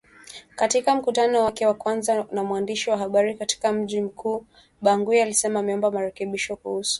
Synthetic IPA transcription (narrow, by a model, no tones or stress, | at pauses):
katikam̩kutanɔwakɛwakwanzanamwandiʃiwaɦaɓaɾikati̥kam̩ʄim̩kʰuː | ɓaŋɡuialisɛmamɛɔmbamaɾɛkɛɓiʃɔkuhusu̥